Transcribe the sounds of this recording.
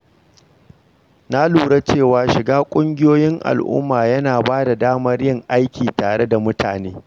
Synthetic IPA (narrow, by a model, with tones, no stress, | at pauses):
na˦luː˨ɽe˦t͡ʃeː˦˨waː˨ʃɪ˨ɡaː˦kʷʼʊ˦ŋɡʲɪ˦joː˦jɪ˦ŋʔa̰˨lʔʊ̰˦mːaː˨jɐ˦naː˨baː˦da˨daː˦mɐ˦rjɪ˦ŋʔa˦jkʲiː˨taː˨ɽe˦da˨mʊ˦tʰa̰ː˨neː˦